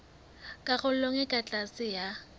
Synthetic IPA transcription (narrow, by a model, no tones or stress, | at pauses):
kʼaɣʊl̩loŋɪkʼat͡ɬʼasɪja